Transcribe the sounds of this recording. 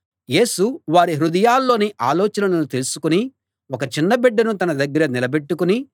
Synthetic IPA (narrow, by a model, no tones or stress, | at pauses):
je̞ːsuʋaːɾiɦɾud̪ɐjaːlːo̞ːniʔaːlɔːt͡ʃɐnɐlɐnut̪elusu̥kuni | ɔkɐt͡ʃinːɐbɛɖːɐnut̪ɐnɐd̪ɐɡːɐɾɐnilɐbe̞ʈːukuni